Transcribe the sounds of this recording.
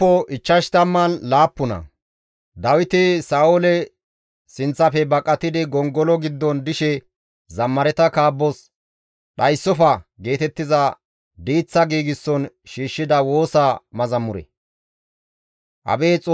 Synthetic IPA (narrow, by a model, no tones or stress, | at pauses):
ɔʔɪt͡ʃːɐʃt̪ɐmːɐnlaːpːʊnɐ̰ | d̪ɐwɪt̪ɪsaːʔɔlɛ | sɪnt͡sːɐfɛbɐkʼːɐt̪ɪd̪ɪɡɔŋɡɔlɔɡɪd̪ːɔnd̪ɪʃɛ | zɐmːɐɾɛt̪ɐkaːbːɔs | ɗɐjsːɔfɐɡe̞ːt̪ɛt̪ːɪzɐ | d̪iːt͡sːɐɡiːɡɪsːɔnʃiːʃːɪd̪ɐwo̞ːsamɐzɐmːʊɾɛ̰ | ʔɐ̰beːt͡sʼ